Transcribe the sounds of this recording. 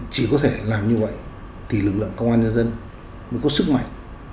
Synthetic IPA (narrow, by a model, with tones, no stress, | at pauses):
t͡ɕi˧˩kɔ˨˦t̪ʰe˧˩laː˨˩mɲɨ˧və̰˧˨j | t̪ʰi˨˩lɨ˨˩k̚lɨ̰˧˨əŋkə˧wŋ͡mʔaː˧nɲə˧nzə˧n | mə˨˦ŋkɔ˨˦sɨ˦˥k̚ma̰˧˨jŋ